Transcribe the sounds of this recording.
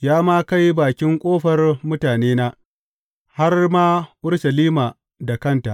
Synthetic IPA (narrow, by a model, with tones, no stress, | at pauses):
jaː˦maː˦ka˦jbaː˨kʲɪ˦ŋkʷʼoː˦ɸɐ˨rmʊ˦taː˨neː˦naː˦ | ha˦rmaː˦ʔʊ˦rʃɐ˨liː˦maː˨ | da˨kɐ˦nta˨ʔ